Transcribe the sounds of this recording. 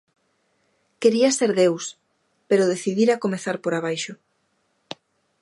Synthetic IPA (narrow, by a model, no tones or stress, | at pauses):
keɾiaseɾðews | peɾʊðeθiðiɾakomeθaɾpoɾaβ̞ajʃʊ